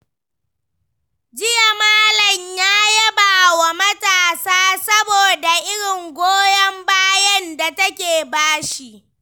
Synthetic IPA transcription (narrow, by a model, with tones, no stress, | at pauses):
d͡ʒɪ˦ja˨maː˦lɐ˨ɲjaː˦jɐ˦baː˨wa˨mɐ˦taː˨saː˦sɐ˦boː˨da˨ʔɪ˦ɽɪ˨ŋɡʷoː˦jɐ˦mbaː˦jɐ˦nda˨tɐ˦kʲeː˨baː˦ʃi˦ʔ